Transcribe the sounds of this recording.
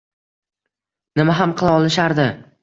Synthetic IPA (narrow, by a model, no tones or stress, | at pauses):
nɪmaɦamqʰɨlˠaɒlˠɪʃaɾd̪ɪ